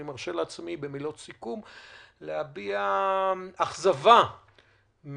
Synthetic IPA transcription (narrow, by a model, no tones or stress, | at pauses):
imaʁʃe̞lat͡smibemilo̞t̪sikumlehabia | aχzava | m